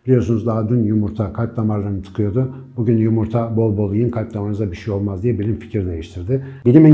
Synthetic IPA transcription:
b̥ilʲijo̞ɾsunuzd̪ad̪ynjumuɾt̪ʰakʰat̪lˠamaɾlˠaɾɯnɯt̪ʰɯ̥kʰɯjo̞d̪ʊbuɟynjumuɾt̪ʰabo̞lˠbolˠujɯnkʰaɾt̪lamanɯzabiʃejo̞lˠmazd̪ijɛbilʲimfi̥cʰiɾd̪e̞jiʃt̪ʰiɾd̪ɪbilʲimi

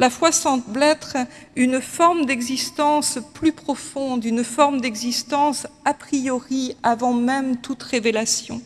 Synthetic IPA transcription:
lafwasɑ̃t̪blɛt̪χ | ynfɔʁmd̪ɛɡzist̪ɑ̃splypχɔfɔ̃d̪ynfɔʁmd̪ɛɡzist̪ɑ̃sapχijɔʁiavɑ̃mɛmt̪ut̪ʁevelasjɔ̰̃

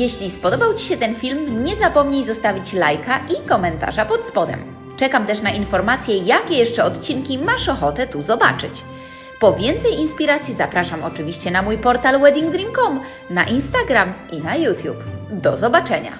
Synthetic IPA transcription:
jɛɕlʲispɔd̪ɔbawt͡ɕi̥ɕɛt̪ɛnfʲilmɲɛzapɔmɲejzɔst̪avʲit͡ɕlajkaʔikɔmɛnt̪a̰ʐapɔt̪spɔd̪ɛ̰m | t͡ʂɛkamt̪ɛʂnaʔinfɔɾmat̪sʲjɛjakʲɛjɛʂt͡ʂɛɔt̪t͡ɕiŋkʲimaʂɔxɔt̪ɛt̪uzɔba̰t͡ʂɘ̰t͡ɕ | pɔvʲjɛnt̪sɛjinspʲiɾat̪sʲjizapɾaʂamɔt͡ʂɘvʲiɕt͡ɕɛnamujpɔɾt̪alwɛd̪ʲiŋɡd̪ɾʲiŋkɔm | na̰ʔinst̪aɡɾamʔinajut̪ʲjupd̪ɔzɔbat͡ʂɛɲa̰

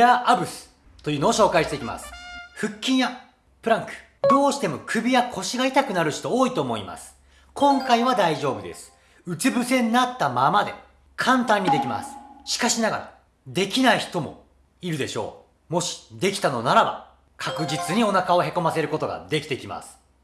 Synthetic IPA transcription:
aʔabɯ̟sɨ̥ | t̪o̞jiɯ̟ːno̞ːɕo̞ːkaiɕt̪e̞ikʲima̰sɨ̥ɸɯ̟kʲːĩɰ̃ja | pɯ̟ɾãŋkɯ̟̥ | bo̞ːɕi̥t̪e̞mo̞kʰɯ̟bʲijakʰo̞ɕiɡait̪akɯ̟naɾɯ̟ɕi̥t̪o̞oːit̪o̞ːmo̞ḭma̰sɨ̥ | kʰõ̞ŋkaiβad̪aiʑo̞ːbɯ̟d̪e̞̰sɨ̥ | ɯ̟t͡sɨbɯ̟sẽ̞nːat̪ːamamad̪e̞̰ | kʰãnt̪ãɲ̟ːid̪e̞kʲima̰sɨ̥ɕi̥kaɕinaɡaɾa̰ | d̪e̞kʲinaiçi̥t̪o̞mo̞̰ | iɾɯ̟d̪e̞ɕo̞̰ː | mo̞ɕi̥d̪e̞kʲi̥t̪ano̞naɾaba̰ | kʰakɯ̟d͡ʑit͡sɨɲ̟io̞nakao̞ɦe̞ko̞mase̞ɾɯ̟ko̞t̪oɡa̰d̪e̞kʲi̥t̪e̞ikʲima̰sɨ̥

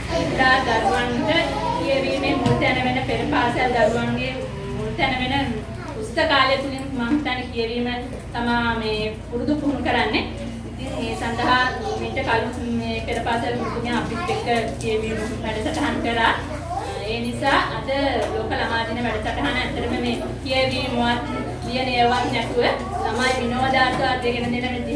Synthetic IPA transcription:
et̪uɾaːd̪aɾuʋaŋʈəkijəʋiːmemuɾut̪ænəʋenəpeɾəpaːsejald̪aɾuʋaŋɡe | munut̪jɛnəʋenə | usːəkaːljət̪uliŋmaŋt̪anekijəʋiːmə | t̪amaːmeː | puɾud̪upuɦunukəɾanːe | it̪iŋeːsand̪ɐɦamiɳʈəkalueːpeɾəpaːsəlmuɾut̪uɡjaapispekːəkijəʋiːmə | ʋæɖəsaʈɐɦankəɾaː | eːnisaːʔɐd̪əloːkəlamaːd̪inəʋæɖəsaʈɐɦanəɛt̪ːəɾəməmeː | kijəʋiːmoʋat̪ | bijəneːʋaːknɛt̪uʋə | samaːjiʋinoːʋd̪aːɾt̪əʋat̪ːekenəd̪enːəmend̪i

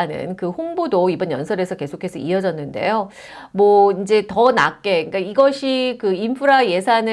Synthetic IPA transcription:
anɯ̰nkɯɸonbodoibʌnjʌnsʰʌɾe̞sʰʌke̞sʰokʰe̞sʰʌiʌd͡ʑʌnːɯnde̞̰jo | mwʌind͡ʑe̞tʌna̰kk͈e̞ɯk͈aiɡʌɕʰikɯimpʰɯɾaje̞sʰanɯ

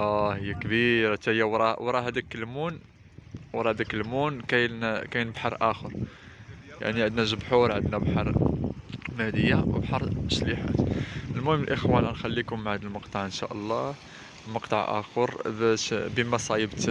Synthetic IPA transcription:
ʔæhəjːækbiɾt̪æhəjːæwɾˤɑwɾˤɑhæd̪ækːəlmun | wɾˤɑhæd̪ækːəlmunkæjnkæjnəbħɑɾˤʔæxəɾˤ | ja̰ʕniʕəd̪næʒəbħuɾˤʕəd̪næbħɑɾˤ | mæhd̪əjːawə̰bħɑɾˤʃliħa̰t̪əlmʊhəmːəlʔəxwæninxælːikʊmːaʕæd̪əlməqt̪ˤɑʕʔənʃæ̰ʔəlˤːɑ | məqt̪ˤɑʕʔæ̰xəɾbæʃbəmæsˤɑjəbt̪

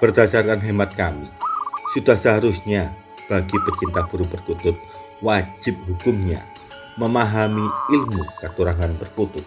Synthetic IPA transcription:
b̥ərd̥̪asarkanɦemat̪̚kamḭsud̪̥ahsaɦaɾʊsɲa | b̥aɡ̥ipət͡ʃint̪ab̥uɾupərkut̪ʊt̪̚ | wad͡ʒɪp̚ɦukʊmɲa̰ | məmaɦamiɪlmukat̪uɾaŋanpərkut̪ʊt̪̚

